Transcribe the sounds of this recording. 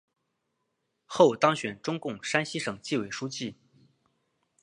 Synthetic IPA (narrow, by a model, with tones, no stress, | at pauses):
xo˥˩ʊt̪ɑ˥ŋɕɥɛ˨˩nʈ͡ʂʊ˥ŋkʊ˥˩ŋʂa˥nɕi˥ʂɤ˨˩ŋt͡ɕi˥˩we˨˩ɪʂu˥t͡ɕi˥˩